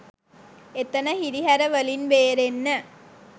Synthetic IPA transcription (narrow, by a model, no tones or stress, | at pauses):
et̪ːɐnɐhiɾiɦɐɾɐʋɐlinʋeːɾenːɐ